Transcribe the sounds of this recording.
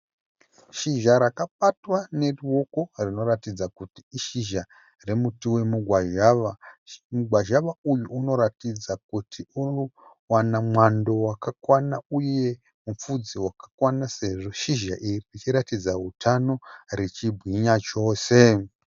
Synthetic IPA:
ʃiʒaɾakaɓatwane̞ruwo̞ko̞rino̞ɾatid͡zakutiːʃiʒa | re̞mutiwe̞muɡʱwaʒaʋamuɡʱwaʒaʋaujuːno̞ɾatid͡zakutʰiu | wanamwando̞wakakwanauje̞ | mup͡fud͡ziwakḁkwanase̞ʐo̞ʃiʒaʔiririt͡ʃiɾatid͡zaɦutʰano̞rit͡ʃibʱwiɲat͡ʃo̞ːse̞

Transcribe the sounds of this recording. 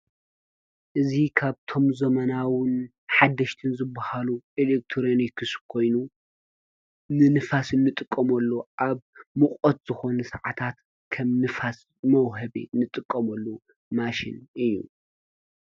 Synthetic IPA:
ʔɨzikʰaβt̪ʰo̞mzɐmɐnawɨn | ħad̪ːɐʃt̪ʰɨnzɨbːahaluelek̚t̪ʰɾonikʰɨskʰo̞jnu | nɨnɨfasɨnːɨt̪ʼɨkʼːɐmɐlːoʔaβmɨχʼot̪z̥ɨxo̞nɐsɐʕat̪ʰat̪ | kʰɐmnɨfas | mɐwɦɐβḭnːɨt̪ʼɨkʼːɐmɐlːo | maʃɪ̰nɨjːṵ

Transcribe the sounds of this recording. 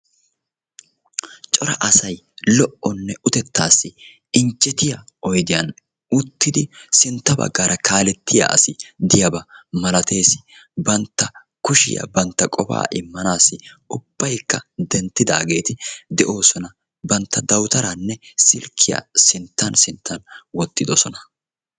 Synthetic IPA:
t͡ʃʼɔɾɐ̰ʔɐsɐj | lɔʔɔnːɛʊt̪ɛt̪ːaːsːɪ | ɪnt͡ʃʼːɛt̪ɪjɐ | ɔjd̪ɪjɐn | ʊt̪ːɪd̪ɪsɪnt̪ːɐbɐ̰ɡːaːɾʔɐkʰaːlɛt̪ʰːɪja̰ʔɐ̰sɪd̪ɪjɐbɐmɐlɐt̪ʰe̞ːsɪ̥bɐnt̪ːɐ | kʊʃɪ̰jɐ̰bɐnt̪ːɐkʼɔba̰ːʔɪmːɐnaːsːɪʊb̥ːɐjkːɐd̪ɛnt̪ːɪd̪a̰ːɡe̞ːt̪ɪd̪ɛʔo̞ːsɔnɐ | bɐnt̪ːɐd̪ɐwt̪ɐɾɐnːɛsɪlkʰːɪjɐ̰sɪnt̪ːɐnsɪnt̪ʰːɐnwɔt̪ːɪd̪ɔsɔnɐ

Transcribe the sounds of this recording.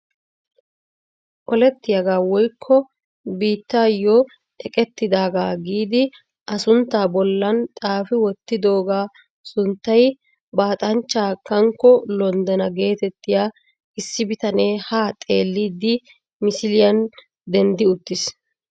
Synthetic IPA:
ʔɔlɛt̪ːɪjɐɡaːwɔjkʰːɔ | biːt̪ːaːjɔ | ʔɛkʼɛt̪ːɪd̪aːɡaːɡiːd̪ɪ | ʔɐsʊnt̪ːaːbɔlːɐnt̪ʼaːfɪwɔt̪ːɪd̪o̞ːɡaː | sʊnt̪ːɐj | baːt̪ʼɐnt͡ʃːaːkːɐŋkːɔlɔnd̪ɛnɐɡe̞ːt̪ɛt̪ːɪjaː | ʔɪsːɪbɪt̪ɐne̞ːhaːt̪ʼe̞ːlːid̪ɪ | mɪsɪlɪjɐn | d̪ɛnd̪ɪʊt̪ːɪs

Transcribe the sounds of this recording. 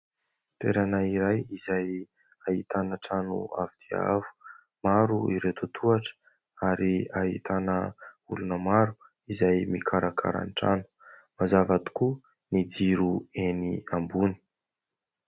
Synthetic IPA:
t̪eɾanaiɾajizaj | aɦit̪anəʈ͡ʂanṵa̰vid̪̥ia̰vu̥ | maɾuiɾewt̪ot̪ʰuaʈ͡ʂə̥ | aɾiaɦḭt̪ʰanəulunəmaɾu | izajmikʰaɾakʰa̰ɾa̰nʈ͡ʂa̰nu̥ | mazavat̪i̥ku | nid͡ziɾueniambuni̥

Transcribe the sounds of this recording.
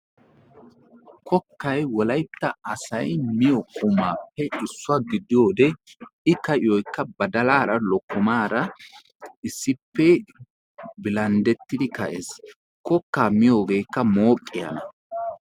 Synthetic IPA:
kʰɔkːɐjwɔlɐjt̪ːɐɐsɐjmɪjɔkʼʊmaːpːɛɪsːʊaɡɪd̪ɪjo̞ːd̪ɛɪkɐʔɪjɔjkːɐbɐd̪ɐlaːɾɐlɔkːʊmaːɾɐ | ɪsːɪpːɛ | bɪlɐnd̪ɛt̪ːɪd̪ɪkɐʔḛːs | kɔkːaːmɪjo̞ːɡe̞ːkːɐmo̞ːkʼːɪjɐ̰nɐ

